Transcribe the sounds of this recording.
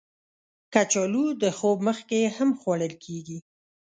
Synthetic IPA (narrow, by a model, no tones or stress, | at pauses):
kat͡ʃɔlud̪əxobməxkehamxwaɽəlkʰeɡi